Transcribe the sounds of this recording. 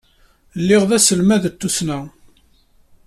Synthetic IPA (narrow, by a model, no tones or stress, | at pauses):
lːɪʁðæsəlmæðət̪ːusnæ